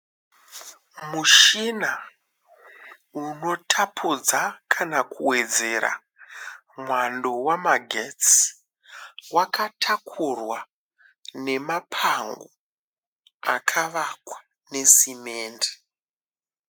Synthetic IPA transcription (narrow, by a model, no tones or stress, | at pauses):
muʃina | uno̞tʰapʰud͡zakʰanakuwe̞d͡ze̞ɾa̰ | mwando̞wamaɡʱet͡s | wakatʰakʰurwa | ne̞mapʰaŋɡo̰ | a̰kʰaʋakwḁ | ne̞simeːnde̥